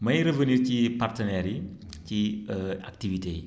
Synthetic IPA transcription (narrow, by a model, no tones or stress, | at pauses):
mɐjɾəvəniɾcipartənɛɾi | cia̰k̚tivite